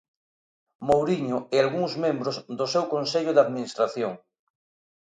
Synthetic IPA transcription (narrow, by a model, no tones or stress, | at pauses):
mowɾiɲʊɛalɣuŋzmẽmbɾozðʊsewkonseʎʊðaðminist̪ɾaθjoŋ